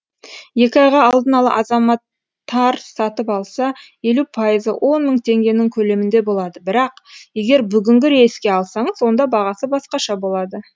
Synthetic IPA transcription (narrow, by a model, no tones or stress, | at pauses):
je̞kʲɪɑjʁɑːlˠd̪ənɑlˠə̰ʔɑzɑmɑt̪ʰː | ɑɾsɑt̪əpɑlˠsɑje̞lupʰɑjəzə̰wʔo̞nməɴt̪ʰe̞ŋɡʲe̞nɪŋkʲʰɵle̞mɪnd̪e̞bo̞lˠɑd̪əbɪɾɑqje̞ɡʲe̞ɾbʏɡʲɪŋɡʲɪɾeskʲe̞ɑlˠsɑɴəzwo̞nd̪ɑbɑʁɑsəbɑsqɑʃɑbo̞lˠɑd̪ə